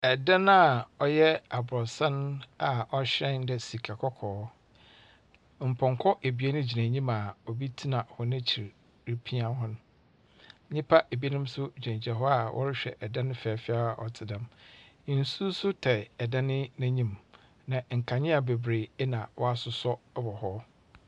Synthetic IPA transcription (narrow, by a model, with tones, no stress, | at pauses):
ɛ˨dã˦na˦˨ɔ˦jɛ˦a˨bʊ˨ɾɔ˨sã˦n˦a˨ʔɔ˦ɕɾɛ̃˦n˦dɛ˨si˨kʰa˨kʰɔ˦kʰɔː˨˦ | m̩˨pʰɔ̃˨ŋkʰɔ˦ʔe˨bɥe˦nʊ̃˦d͡ʑi˨næ̃˨ɲĩ˦ma˨ɔ˨bi˦tʰi˦nã˨hɔ˨nã˦t͡ɕʰi˨ɾ | ɾi˦pʰi˦ã˦nɦɔ̃˦nʊ̃˦ | ɲɪ̃˦pʰa˦ʔe˨bi˦nɪ̃˦msʊ˦d͡ʑᶣɛ̃˨ɲd͡ʑɛ˨ɦɔ˦a˨wʔɔ̰˦ɾɪ˦ɕᶣɛ̰˨ʔɛ˨dã˦nɪ̃˦fɛ˨a˨fɪ˦a˦ɔ̰˨tʰɪ˨dã˨˦m˨n̩˨su˦sʊ˦tʰɛ˨ɛ˨dã˦nɪ̃˦næ̃˦ɲĩ˦m | nã˨ŋ̩˨kʰa˨ɲɪ̃˦a˨be˨bɾe˨ɛ˦nã˨wɔ˦a˦sʊ˨sɔ˦bɔ˨hɔ˦